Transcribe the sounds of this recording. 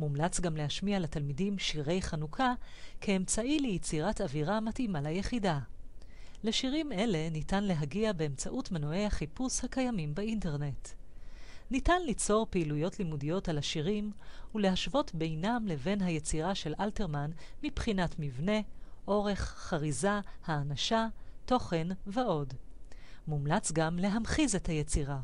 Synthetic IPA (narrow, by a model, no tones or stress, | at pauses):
mumlat͡sɡamleɦaʃmialatalmidimʃiʁe̞jχanukʰakʰeːmt͡saʔilejet͡siʁataviʁamatimalajeχida | le̞ʃiʁime̞le̞nitanle̞ɦaɡiabe̞emt͡saʔutmenoe̞jhaχipushakajamimbainte̞ʁne̞t | nitanlit͡so̞ʁpeilujo̞tlimudijo̞talaʃiʁimule̞ɦaʃvo̞tbe̞jnamle̞ve̞nɦaje̞t͡siʁaʃe̞lʔalte̞ʁmanmipχinatmivne̞ʔo̞ʁe̞χχaʁizahaːnaʃato̞χe̞nveʔo̞d | mumlat͡sɡamle̞ɦamχize̞thajet͡siʁa